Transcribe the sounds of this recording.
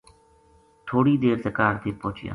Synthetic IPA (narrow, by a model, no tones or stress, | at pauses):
t̪ʰoːɽiːd̪eːɾt̪əkaːɾt̪eːpõːt͡ʃɪjã̰ː